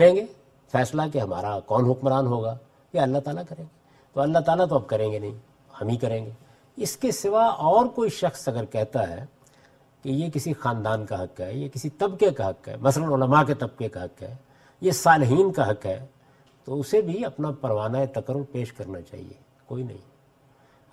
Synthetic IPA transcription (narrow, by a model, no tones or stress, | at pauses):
kɐɾẽːŋɡeː | fɛːslak̬eɦɐma̰ːɾakɔːnɦʊkməɾaːnɦoːɡaː | jeɐlːaɦt̪aːlakɐɾẽːŋɡeː | t̪oɐlːaɦt̪aːlat̪oɐb̚kɐɾẽːŋɡenɐɦĩ | hɐmɦikɐɾẽːŋɡeː | ɪskesɪʋaɔːɾkoːiʃɐxsɐɡəɾkɛɦt̪aɦɛ̰ | kejek̬ɪsixaːnd̪aːnkaɦɐkɦɛjekɪsit̪ɐbkekaɦɐkɦɛ̰ːmɐslənʊləmaket̪ɐb̚kekaɦɐkɦɛ̰ː | jesaːlɦiːnkaɦɐkɦɛː | t̪oʊsebʱiɐpnapɐɾʋaːnaet̪ɐkəɾʊɾpeːʃkɐɾnat͡ʃa̰ːɦḭḛ | koːinɐ̰ɦḭ̃